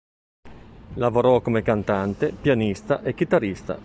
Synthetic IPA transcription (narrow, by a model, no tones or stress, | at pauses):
lavoɾɔkomekant̪ant̪epjanist̪aʔek̟ːit̪arist̪a̰